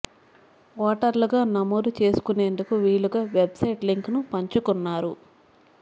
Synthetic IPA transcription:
ʋɔːʈɐɾlɐɡaːnɐmoːd̪ut͡ʃe̞ːsu̥kune̞ːnd̪ukuʋiːɭːuɡaːʋebsɐjʈliŋknupɐɲt͡ʃukunːaːɾu

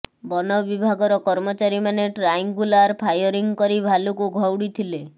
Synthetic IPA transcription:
bɔnɔbibʱaɡɔɾɔkɔɾmɔt͡ʃaɾimaneʈɾajŋɡulaɾpʰajɔɾiŋkɔɾibʱalukuɡʱɔwɽit̪ʰile

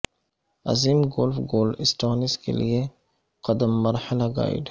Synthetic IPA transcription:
ɐ̰ziːmɡoːlfɡoːlɪsʈaːnɪskḛlie | qɐd̪əmːɐɾhəlaɡa̰ːɪ̰ɖ

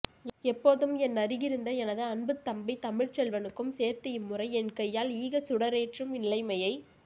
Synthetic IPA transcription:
ɛpːoːðɯmɛnːɐɾɪɣɪɾɯnd̪ɐɛnɐðɯɐnbɯt̪ːɐmbɐɪt̪ɐmɪɻt͡ʃɛlʋɐnɯkːɯmseːɾt̪ɯɪmːɯrɐɪɛnkɐjːaːliːɣɐsʊɽɐɾeːʈrɯmɪɪlɐɪmɐjɐɪ

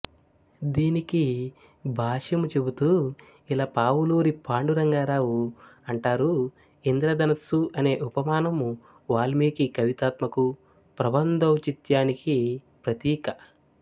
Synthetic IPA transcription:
d̪iːniki | bʱaːʂjɐmut͡ʃe̞but̪uː | ilaːpaːwuluːɾipʰaːɳɖuɾɐŋɡaːɾaːwuɐɳʈaːɾu | ind̪ɾɐd̪ɐnɐsuʔɐne̞ːʔupɐmaːnɐm | ʋaːlmeːkikɐʋit̪aːt̪mɐku | pɾɐbɐnd̪ɐwt͡ʃit̪jaːniki | pɾɐt̪iːkɐ

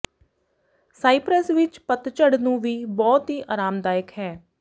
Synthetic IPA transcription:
saːipɾəsʋɪt͡ʃpət̪t͡ʃəɽnũːʋiːbɔːt̪ɦiːʔaːɾaːmd̪aːjəkɦɛː

